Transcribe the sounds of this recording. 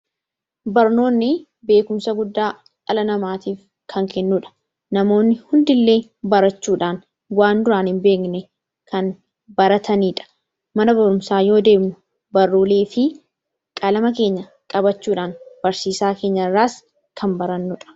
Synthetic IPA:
bɐɾno̞ːnːɪ | be̞ːkʊmsɐɡʊd̪ːaː | kɐlɐnɐmaːt̪iːf | kʰɐŋkʰɛnːuᶑɐ̥ | nɐmo̞ːnːɪhʊnd̪ɪlːe̞ːbɐɾɐt͡ʃːuːᶑaːn | waːnd̪ʊɾaːnhɪmbe̞ːknɛ | kɐn | bɐɾɐt̪ʰɐniːᶑɐ̥ | mɐnɐbɐɾʊmsaːjo̞ːd̪e̞ːɡnʊ | bɐrːuːle̞ːfɪ | kʼɐlɐmɐke̞ːɲːɐ | kʼɐbɐt͡ʃːuːᶑaːnb̥ɐɾsiːsaːke̞ːɲːɐrːaːs | kʰɐmbɐɾɐnːʊᶑɐ̥

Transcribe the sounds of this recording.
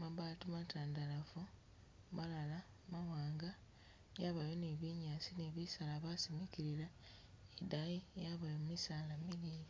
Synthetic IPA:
maβaːtumataːndalafu | malala | mawaːŋɡa | jaβajoniβiɲaːsineβisalaβasimiciɾila | edajijaβajomumisaːlamiliːɾi

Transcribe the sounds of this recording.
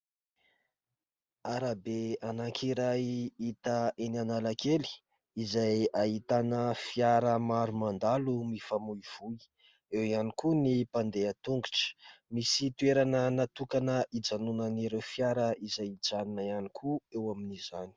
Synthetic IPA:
aɾabeanakʰiɾajit̪əenanalakeli̥ | izajaɦit̪anəfijaɾəmaɾumand̪alumifamuiv̥ui | ewianikunipand̪eat̪uŋɡuʈ͡ʂə̥misit̪ueɾanənat̪ukanəid͡zanunəniɾewfjaɾəizajid͡zanunaianikʰuewaminizani̥

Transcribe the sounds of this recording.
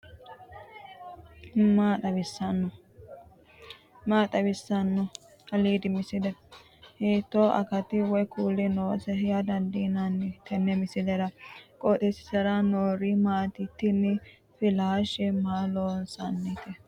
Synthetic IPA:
maːt̪ɐβɪsːɐnːʊ | maːt̪ʼɐbɪsːɐnːɔ | ɐliːd̪ɪmɪsɪd̪ɛ | heːt̪ːoːʔɐ̰kɐt̪ɪwɔjkuːlɪnoːsɛhɛjɐd̪ɐnd̪inanːɪt̪ɛnːɛmɪsɪd̪ɛɾɐkʼot̪ʼɛsɪ̥sɐɾɐnoːɾɪmaːt̪ɪt̪ːɪnːɪ | fɪlaːʃɛmaːloːnsɐnːɛt̪ɛ

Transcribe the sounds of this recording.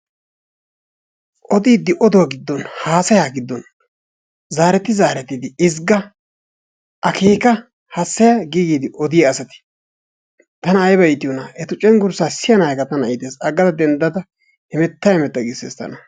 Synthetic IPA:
ʔɔd̪iːd̪ːɪʔɔd̪ɔwaɡɪd̪ːɔnhaːsɐjaːɡɪd̪ːɔn | zaːɾɛt̪ːɪzaːɾɛt̪ːɪd̪ɪɪzɡɐ | ʔɐkeːkɐ | hɐsːɐjaɡiːɡiːd̪ɪʔɔd̪ɪjɐːsɐt̪ɪ̥ | t̪ɐnɐːjbɐɪt̪ɪjɔnɐɛt̪ʊt͡ʃʼɛnɡʊɾsaːsɪjɐnajkɐt̪ɐnɐjt̪eːsɐɡɐd̪ɐd̪ɛnd̪ɐd̪ɐ | hɪmɛt̪ːɐjhɛmɛt̪ːɐɡɪseːst̪ɐ̰nɐ

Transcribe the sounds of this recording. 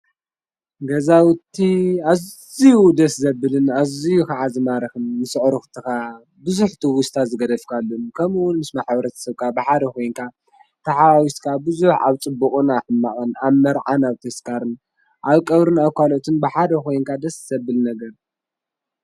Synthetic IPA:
ɡɐzawt̪ʰiaz | ijud̪ɐszɐbɨlɨnazijukaʕazɨmaɾɐxɨnːɨsɨʕɾɨxt̪ʰɨxa | bɨzuħt̪ʰiwʊst̪ʰazɨɡɐd̪ɐfkʰalːumkʰɐmuwʊnmɨsmaħbɐɾɐt̪ʰɐ̥sɐβkʰabɨħad̪ɐko̞jnkʰa | t̪ʰɐħaβawist̪kʰabɨzuħa̰βt͡sʼɨbːɨχʼɨnaħɨmːaʔʼɨnaβmɐɾʕanaβt̪ʰɐskʰaɾɨn | ʔaβkʼɐβɾɨnaβkʷʰalo̞t̪ʰɨnbɨħad̪ɐko̞jnkʰad̪ɐsz̥ɐbɨlnɐɡɐɾ

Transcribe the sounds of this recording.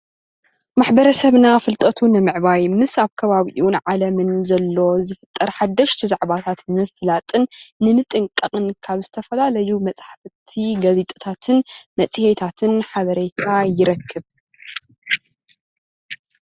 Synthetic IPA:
maħbɐɾɐsɐβnafɨlt̪ʼɐt̪ʰunɨmɨʕbajmɨsaβkʰɐβaβiʔunʕalɐmɨnzɐlːo̞zɨfɨ̥t̪ʼːɐɾħad̪ːɐʃt̪ʰizaʕβat̪ʰat̪nmɨflat̪ʼɨnːɨmɨt̪ʼɨŋkʼɐqʼɨnkʰaβzɨt̪ʰɐfɐlalɐjumɐt͡sʼħft̪ʰiɡɐzit̪ʼɐ̥t̪ʰat̪ʰɨnmɐt͡sʼɨhet̪ʰat̪ʰɨnħaβɐɾet̪ʰajɪɾɐkʰːɨβ

